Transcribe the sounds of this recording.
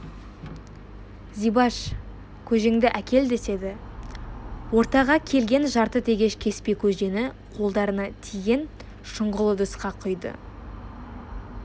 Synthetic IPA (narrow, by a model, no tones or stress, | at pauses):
zijbɑʃ | kʲʰɵʒeŋd̪ɪʔækʲe̞ld̪e̞se̞d̪ɪ | wo̞ɾt̪ɑʁɑkʲʰe̞lɡʲe̞nʒɑɾt̪ət̪ʰe̞ɡʲe̞ʃkʲʰe̞spe̞kʲʰɵʒe̞nɪ | qʰo̞lˠd̪ɑɾənɑt̪ʰiɡʲe̞n | ʃʊɴʁʊlˠəd̪əsqɑqʰʊjd̪ə̰